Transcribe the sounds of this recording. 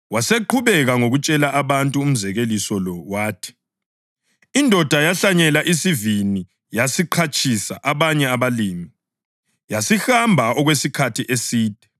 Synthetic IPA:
waseǃʰuβɛɣaŋoɣut͡ʃʼɛlaʔaβantʼuːm̩zɛɣelisɔlɔwaːtʰi̥ | indʱɔd̥ʱajaɬaɲɛlaʔisivini | jasiǃʰat͡ʃʰʼisa̰ʔaβaɲɛaβaliːmi | jasixambʱaɔɣwesikʰatʰiʔesiːd̥ʱɛ̥

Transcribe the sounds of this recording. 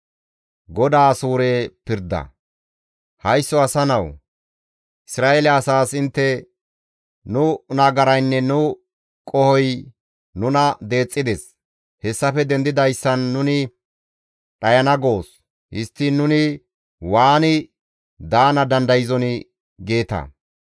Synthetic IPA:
ɡɔd̪aːsuːɾeːpɪɾd̪ɐ̰ | hɐjsːɔɐsɐnɐw | ʔɪsɾaːʔelɛːsaːsɪnt̪ːɛ | nʊnɐɡɐɾɐjnːɛnʊ | kʼɔhɔj | nʊnɐd̪e̞ːt͡sʼːɪd̪ɛs | hɛsːɐfɛd̪ɛnd̪ɪd̪ɐjsːɐnːʊnɪ | ɗɐjɐnɐɡo̞ːs | hɪst̪ːɪnːʊnɪ | waːnɪ | d̪aːnɐd̪ɐnd̪ɐjɪzɔnɪ | ɡe̞ːt̪ɐ̰

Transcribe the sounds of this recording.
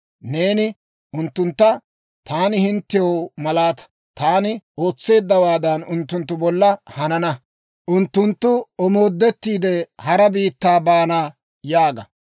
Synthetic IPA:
ne̞ːnɪ | ʔʊnt̪ːʊnt̪ːɐ | t̪aːnɪhɪnt̪ːɪjomɐlaːt̪ɐ̥ | t̪aːnɪo̞ːt͡sːe̞ːd̪ːɐwaːd̪ɐnʊnt̪ːʊnt̪ːʊbɔlːɐhɐnɐnɐ | ʔʊnt̪ːʊnt̪ːʊɔmo̞ːd̪ːɛt̪ːiːd̪ɛhɐɾɐbiːt̪ːaːbaːnaː | jaːɡɐ

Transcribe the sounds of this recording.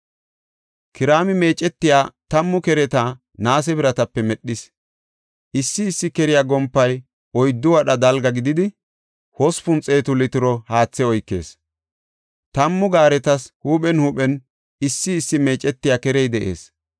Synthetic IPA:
kɪɾaːmɪme̞ːt͡ʃʼɛt̪ːɪjaːt̪ɐmːʊkɛɾɛt̪ɐ | naːs̬ɛbɪɾɐt̪ɐpːɛmɛɗːɪs | ʔɪsːɪːsːɪkɛɾɪjaɡɔmpːɐj | ɔjd̪ːʊwɐɗɐd̪ɐlɡɐɡɪd̪ɪd̪ɪ | hɔspʊnt͡sʼe̞ːt̪ʊlɪt̪ɪɾɔhaːt͡sːɛɔjkːe̞̰ːs | t̪ɐmːʊɡaːɾɛt̪ɐshuːɓɛnhuːɓɛn | ɪsːɪːsːɪme̞ːt͡ʃʼɛt̪ːɪjaːkɛɾɛjd̪ɛʔe̞̰ːs

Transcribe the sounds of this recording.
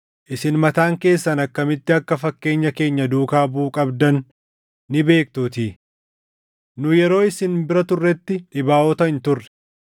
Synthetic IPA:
ʔɪsɪnmɐt̪aːŋke̞ːsːɐnɐkːɐmɪt̪ːɪɐkːɐfɐkːe̞ːɲːɐke̞ːɲːɐd̪uːkaːbuːkʼɐbd̪ɐnː | ɪbe̞ːk̚t̪uːt̪iː | nʊjɛɾo̞ːɪsɪnbɪɾɐt̪ʊrːɛt̪ːɪᶑɪbaːʔɔt̪ɐɪnt̪ʊrːɛ̥

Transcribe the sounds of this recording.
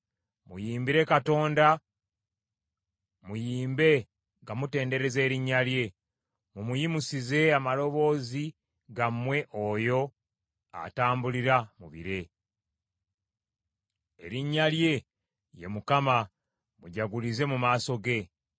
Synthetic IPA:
mujiːmbiɾe̞kato̞ːnda | mujiːmbe̞ | ŋɡamute̞ːnde̞ɾe̞ze̞ːɾiɲːalje̞ | mumujimusize̞amalo̞βo̞ːzi | ɡamwe̞ʔojo̞ | a̰taːmbuliɾamuβḭɾe̞ | e̞̰ɾiɲːalje̞ | jemukama | muɟaɡulize̞mumaːso̞ɡe̞

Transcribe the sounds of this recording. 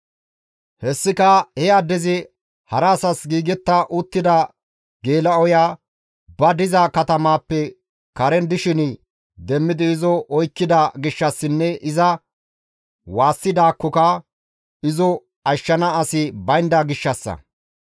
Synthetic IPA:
hɛsːɪkɐhɛjad̪ɛzɪ | hɐɾaːsɐsɡiːɡɛt̪ːɐʔʊt̪ːɪd̪ɐ | ɡeːlɐɔjaː | bɐd̪ɪzakɐt̪ɐmaːpːɛ | kɐɾɛnd̪ɪʃɪn | d̪ɛmːɪd̪ɪːzɔʔɔjkːɪd̪aɡɪʃːɐsːɪnːɛʔɪzɐ | waːsːɪd̪aːkːɔkɐ | ɪzɔ | ɐʃːɐnɐɐsɪbɐjnd̪aɡɪʃːɐsːɐ̰

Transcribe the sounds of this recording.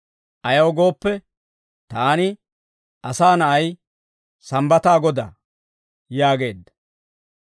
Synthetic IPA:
ʔɐjɐwɡo̞ːpːɛ | t̪aːnɪ | ʔɐsaːnɐʔɐj | sɐmbɐt̪aːɡɔd̪a̰ː | jaːɡe̞̰ːd̪ːɐ̥

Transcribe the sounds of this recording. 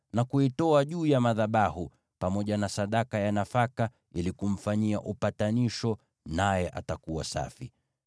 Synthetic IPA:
nakuitɔaʄuːjamaðaɓahu | pamɔʄanasaɗakajanafaka | ilikum̩faɲiaʔupataniʃɔ | najɛʔa̰takuwasa̰fi

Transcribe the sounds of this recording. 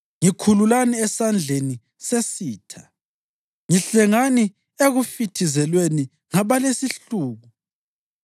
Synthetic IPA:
ŋikʰululaniɛsand͡ɮʱeni | sesiːtʰḁ | ŋiɬɛŋani | eɣufitʰizɛlweni | ŋaβalesiɬuːɣu

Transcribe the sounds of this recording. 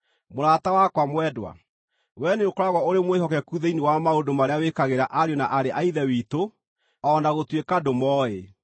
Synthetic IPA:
moɾatawakwamwɛdwa̰ | wɛneokoɾaɣwaoɾemweɦɔkɛkuðeiniwamaodomaɾeawekaɣeɾaʔaɾjonaʔaɾeʔaiðɛwito | ɔnaɣotwekadomɔe

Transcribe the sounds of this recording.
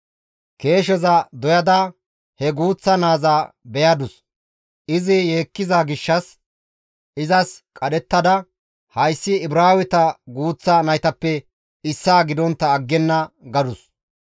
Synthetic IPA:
ke̞ːʃ̬ɛzɐd̪ɔjɐd̪ɐ | hɛɡuːt͡sːɐnaːzaː | bɛjɐd̪ʊs | ʔɪzɪjeːkːɪzaɡɪʃːɐs | ʔɪzɐskʼɐɗɛt̪ːɐd̪ɐ | hɐjsːɪːbɾaːwɪt̪ɐɡuːt͡sːɐnɐjt̪ɐpːɛ | ɪsːaːɡɪd̪ɔnt̪ːɐːɡːɛnːɐɡɐd̪ʊs

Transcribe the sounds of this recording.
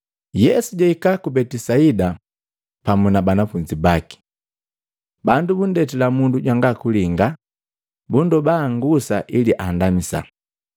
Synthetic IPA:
jɛsuɟaikakubɛtisaida | pamunabanafuɲd͡ʒibaki̥ | bandubundɛtilamunduɟwaŋɡakuliŋɡa | bundɔbaŋɡusa̰ʔiliʔandamisa̰

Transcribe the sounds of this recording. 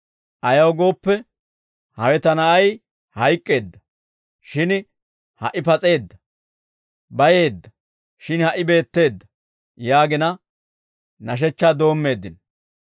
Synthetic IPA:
ʔɐjɐwɡo̞ːpːɛ | hɐwɛt̪ɐnɐɐj | hɐjkʼːe̞ːd̪ːɐ | ʃɪn | hɐ̰ʔɪpɐt͡sʼe̞ːd̪ːɐ | bɐje̞ːd̪ːɐ | ʃɪnhɐʔɪbe̞ːt̪ːe̞ːd̪ːɐ | jaːɡɪnɐ | nɐʃ̬ɛt͡ʃːad̪o̞ːmːe̞ːd̪ːɪn

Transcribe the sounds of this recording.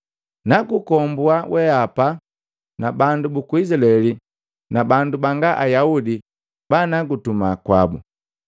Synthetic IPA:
naɡukɔmbuawʔɛapa | nabandubukuid͡ʒlɛli | nabandubaŋɡaʔajaudi | banaɡutumakwa̰bṵ

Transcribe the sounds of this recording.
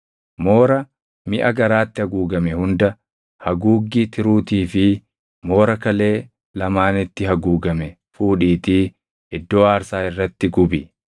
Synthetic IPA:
mo̞ːɾɐ | mɪʔɐɡɐɾaːt̪ːɪhɐɡuːɡɐmɛhʊnd̪ɐ | hɐɡuːɡːit̪ʰɪɾuːt̪iːfɪ | mo̞ːɾɐkɐle̞ː | lɐmaːnɪt̪ːɪɦɐɡuːɡɐmɛ | fuːᶑiːt̪iː | ʔɪd̪ːo̞ːaːɾsaːɪrːɐt̪ːɪɡʊbɪ

